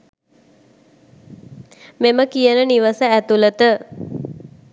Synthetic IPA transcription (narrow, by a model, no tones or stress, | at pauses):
meməkijənəniʋəsəæt̪ulət̪ə